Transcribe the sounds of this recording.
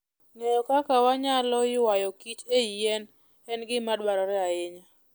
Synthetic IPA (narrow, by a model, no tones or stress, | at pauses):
ŋejɔkakawaɲalɔɪwajɔkit͡ʃeijɛn | ɛnɡɪmadwaɾɔɾɛaɪɲa